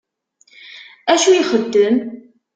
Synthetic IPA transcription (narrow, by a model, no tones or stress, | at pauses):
æʃujiχəd̪ːəm